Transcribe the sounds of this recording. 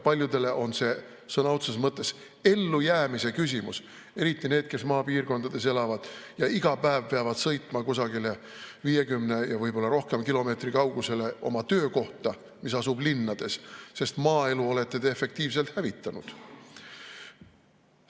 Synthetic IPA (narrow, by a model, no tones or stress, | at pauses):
pɑlʲjud̪e̞le̞ʔo̞nse̞ | sɤnɑot̪sesmɤt̪ˑːe̞s | e̞lːujæːmise̞kys̬ʲimus | e̞ɾit̪ˑːine̞ːd̪̥̚ke̞smɑːpiːrko̞nd̪̥ɑd̪̥e̞s̬e̞lɑvɑd̪̥jɑiɡ̥ɑpæevpe̞ɑvɑd̪̥sɤ̞jt̪ˑmɑkusɑɡile̞ | viːje̞kymne̞jɑvɤjbo̞lːɑɾo̞hke̞mkilo̞me̞ːt̪rikɑwɡ̥use̞le̞ʔo̞̰mɑt̪ø̞ːko̞ht̪ɑ | misɑsublinːɑd̪̥e̞sse̞st̪mɑːe̞luo̞le̞t̪ˑːe̞d̪eefe̞k̚t̪iːvse̞lt̪hævit̪ˑːɑnṵd̪̥